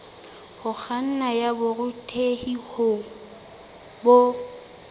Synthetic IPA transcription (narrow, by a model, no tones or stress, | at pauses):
hʊk͡xʰan̩najabʊrʊtʰʼehihʊ | bo